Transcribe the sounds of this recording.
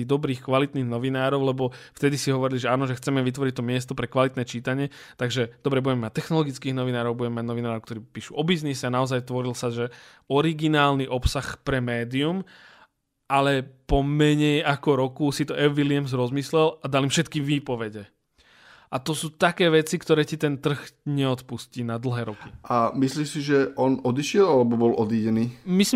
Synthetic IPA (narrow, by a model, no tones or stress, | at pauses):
id̪ɔbɾiːxkʋalit̪niːɣnɔʋinaːɾɔʊlɛbɔft̪ɛd̪isiɦɔʋɔɾiliʒɛaːnɔʒɛxt͡sɛmɛʋit̪ʋɔɾic̚t̪ɔmɪɛst̪ɔpɾɛkʋalit̪nɛːt͡ʃiːt̪aɲɪɛ | t̪aɡʒɛd̪ɔbɾɛbuɟɛmɛmat̚t̪ɛxnɔlɔɡit͡skiːɣnɔʋinaːɾɔʊbuɟɛmɛmaɟnɔʋinaːɾɔʊkt̪ɔɾiːpiːʃuɔbiznisɛanaɔzajt̪ʋɔɾilsaʒɛ | ɔɾiɡinaːlniʔɔpsaxpɾɛmɛːd̪ium | ʔalɛpɔmɛɲɛjakɔɾɔkusit̪ɔɛfʋiliamzɾɔzmislɛlad̪alimfʃɛt̪kiʋiːpɔʋɛɟɛ | ʔat̪ɔsuːt̪akɛːʋɛt͡sikt̪ɔɾɛːcit̪ɛnt̪r̩ɣɲɛɔt̪puscinad̪l̩ɦɛːɾɔkiamisliːsiʒɛʔɔnɔd̪iʃɪɛlalɛbɔbɔlʔɔd̪iːɟɛniːmis